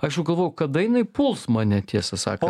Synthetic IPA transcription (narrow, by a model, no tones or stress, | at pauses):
ɐʃjɛʊɡɐlˠʋoːjɛʊkɐd̪ɐjɪnɐɪpʊlˠsmɑːnʲɛt̪ʲiɛsɐsɑ̰ːkɐ